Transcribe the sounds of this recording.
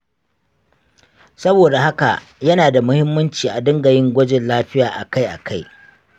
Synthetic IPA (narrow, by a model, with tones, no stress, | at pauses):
sɐ˦boː˨da˨ha˦ka̰˨ʔ | jɐ˦naː˨da˨mʊ˦hɪ˦mːɐ˦nt͡ʃiː˨ʔa˨dɐ˦ŋɡɐ˨jɪ˦ŋɡʷɐ˦d͡ʒɪ˨nlaː˦ɸɪ˦jaː˨ʔa̰˨ka˦jʔa̰˨kʰa˦j